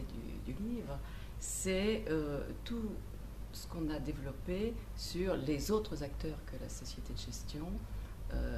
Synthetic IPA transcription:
ed̪y̰d̪ylivʁə | sɛøt̪u | sə̥kɔ̃nad̪evlɔpesyʁlezot̪χəzak̚t̪œːʁkəla̰sɔsjet̪ed̪əʒɛst̪jɔ̃ | ø̰

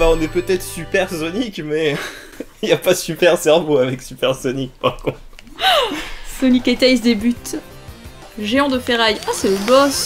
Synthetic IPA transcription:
baɔ̃nɛpøt̪ɛt̪χsypɛʁsɔnikmɛ | iljapasypɛʁsɛʁvoavɛksypɛʁsɔnik̚paʁkɔ̃t̪ | sɔniket̪aisd̪ebyt̪ | ʒeɔ̃d̪əfeʁajasɛləbɔs

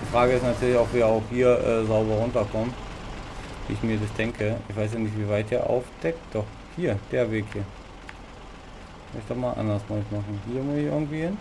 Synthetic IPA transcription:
d̥iːfʁ̥aːɡəɪstnatʰyːɐlɪçɔʊpveːɐaʊxhiːɐʔɛ̰ːzaʊbɐʁʊntɐkʰɔmt | vḭɪçmiːɐdasd̥ɛŋkʰəɪçv̥aɪs̬janɪç̬tv̥iːvaɪt̚d̥iːɐʔa̰ʊfd̥ɛk̚td̥ɔχ | hiːɐd̥eːɐveːkhiːɐ | maɪçd̥ɔmaːlʔa̰ndɐsmasɪçmaχn̩hiːɐmʊsɪçʔɪ̰ɐɡŋ̩tv̥iːhɪn

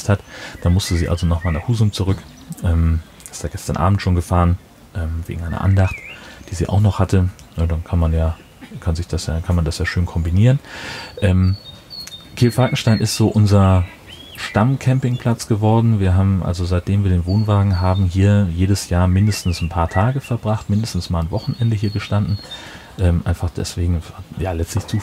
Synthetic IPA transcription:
sthatd̥aːmʊstəziːʔa̰lzonɔχmaːnaχhuːzʊŋt͡suʁʏk | ʔɛːm | ɪstd̥aːɡ̥ɛstɐnʔa̰ːbm̩tʃoːnɡəfaːʁən | ʔɛːmvḛɡŋ̩ʔaɪnɐ̰ʔa̰ndaχtd̥iːzḭːʔa̰ʊxnɔχhatənədankʰanmanjaː | kʰanzɪçd̥asja̰ːkʰanmandasjaːʃøːnkʰɔmbiniːʁənʔɛːm | kʰeːlfalkŋ̩ʃtaɪnʔɪstz̥oːʔʊnzɐ | ʃtamkʰɛmpɪŋpʰl̥at͡sɡ̥əvɔɐdn̩viːɐɦaːbm̩ʔa̰lzozaɪt̚d̥eːmviːɐdeːnvoːnvaːɡŋ̩ɦaːbm̩ɦiːɐjeːdəsjaːɐmɪndəstn̩sn̩pʰaːɐtʰaːɡəfɛɐbʁaχtmɪndəstn̩smaːlnvɔχn̩ʔɛndəhiːɐɡəʃtandn̩ | ʔɛːmʔa̰ɪnfaχd̥ɛ̰sv̥eːɡŋ̩jaːlɛt͡stlɪçt͡suː

